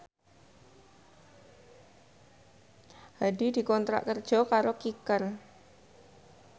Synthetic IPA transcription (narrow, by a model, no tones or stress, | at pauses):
hadid̪̥i̤kɔnt̪ɾa̰ʔkərd̥ʒ̥ɔ̤kaɾokikər